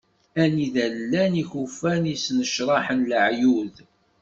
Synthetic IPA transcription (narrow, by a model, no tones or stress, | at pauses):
æniðælːæniçufænisnəʃɾˤɑħənləʕjuð